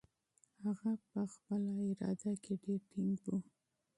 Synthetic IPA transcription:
haɣapəxpəlaɪɾɑ̰d̪akeɖeɾʈʰɪŋɡwu

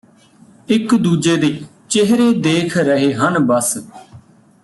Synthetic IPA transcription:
ɪkd̪uːd͡ʒeːd̪eː | t͡ʃɪɦɾeːd̪eːkʰɾəɦeːɦənbəs

